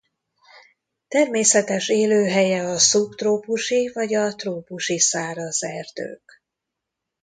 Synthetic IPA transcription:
t̪ɛrmeːsɛt̪ɛʃeːløːɦɛjɛɒsupt̪roːpuʃivɒɟɒt̪roːpuʃisaːɾɒzɛrd̪ø̰ːk

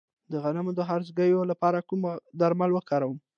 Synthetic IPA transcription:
d̪əɣanamod̪əɦaɾzɡəjolapɑɾakumd̪aɾmalwəkɑɾawəm

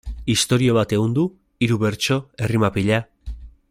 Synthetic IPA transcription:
ist̪o̞ɾio̞β̞at̪e̞ɣond̪u | iɾuβe̞ɾt͡ʃo̞e̞rimapiʎa

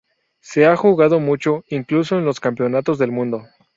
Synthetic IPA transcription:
se̞axuɣað̞o̞mut͡ʃo̞iŋklus̬o̞enlo̞skampjo̞nat̪o̞zðe̞lmũnd̪o̞

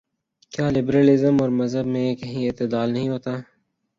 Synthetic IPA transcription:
kjaːlɪbɾaːlɪzəmɔːɾmɐzɦəbmẽkɐɦĩɪt̪ɪd̪aːlnɐɦĩɦoːt̪aː

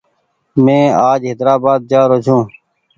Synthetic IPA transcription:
mẽːaːd͡ʒɦɪd̪ɾaːbaːd̪̚d͡ʒaːɾot͡ʃʰũː

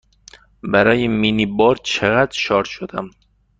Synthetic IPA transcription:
bæɾɒːjeminibɒːɾt͡ʃʰeɣæd̪ɾʃɒːɾʃod̪æm

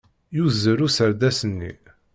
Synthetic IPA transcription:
juzəɾusəɾd̪æsənːḭ

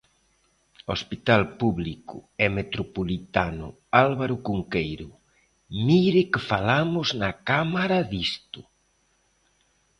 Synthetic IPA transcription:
ospit̪alpuβlikʊ̰ɛmet̪ɾopolit̪anʊ̰ | alβaɾʊkuŋkejɾʊ | miɾɪkɪfalamʊznakamaɾaðist̪ʊ

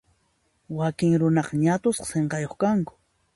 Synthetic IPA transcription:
wakɪŋɾʊnɑqɑɲat̪ʊsqɑ̥seɴqɑjoχkaŋkʊ̥

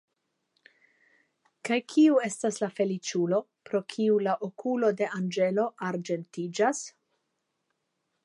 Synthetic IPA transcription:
kajkʰiue̞staslafe̞lit͡ʃulo̞ | pɾo̞kʰiulaʔokulo̞de̞ʔand͡ʒe̞lo̞ʔaɾd͡ʒe̞ntid͡ʒas

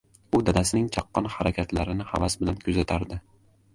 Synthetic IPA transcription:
ʊd̪ad̪asɪnɪŋt͡ʃʰɑqːɑnhaɾakʲʰat̪laɾɪnɪha̰vasbɪlankʰʊzat̪ʰaɾd̪ɪ

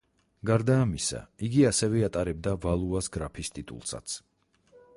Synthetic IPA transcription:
ɡaɾd̪aːmisa̰iɡiasɛvɛat̪ʼaɾɛb̚d̪avalˠuasɡɾapʰist̪ʼit̪ʼṵlˠsa̰t̪sʰ

